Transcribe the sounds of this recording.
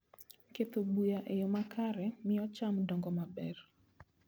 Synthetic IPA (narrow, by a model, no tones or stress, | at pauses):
ket̪obujaʔejomakaɾɛmɪɔt͡ʃamdɔŋɡɔmabɛr